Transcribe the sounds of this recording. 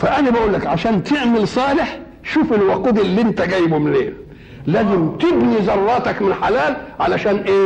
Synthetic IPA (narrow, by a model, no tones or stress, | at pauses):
fæʔænabæʔuːlːækʕaʃæːnt̪ʰɪʕmɪlsˤɑːlɪħ | ʃuːfɪlwɑquːd̪ɪlːiʔɪnt̪æɡæːjbumɪnlḛːl | læːzɪmt̪ɪbnizɑrˤːɑːt̪ɑkmɪnħalæːlʕalæʃæːnʔeː